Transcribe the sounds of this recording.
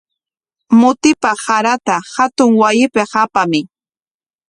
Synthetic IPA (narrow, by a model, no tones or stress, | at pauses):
mʊt̪ɪpahaɾat̪ahat̪ʊŋwajɪpɪhapamɪ